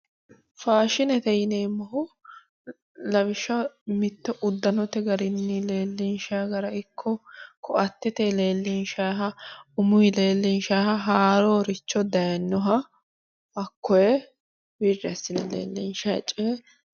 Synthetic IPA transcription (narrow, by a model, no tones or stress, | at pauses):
faːʃɪnɛt̪ɛjɪneːmːɐɦʊ | lɐbɪʃːɐmɪt̪ːɔʔʊd̪ːɐnɔt̪ɛɡɐɾɪnːile̞ːlːɪnʃaːɡɐɾɐɪkʰːɔkʰɔɐt̪ːɪt̪ele̞ːlːɪnʃaːɦɐʊmʊɪle̞ːlːɪnʃaːhɐɦaːɾɔːɾɪt͡ʃːɔd̪ɐjɐnːɔɦɐ | ɐkːɔjɛ | birːɛɐsːɪnɛlḛːlːɪnʃɐt͡ʃʼːeː